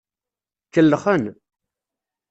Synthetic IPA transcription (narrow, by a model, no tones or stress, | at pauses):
kːəlːəχən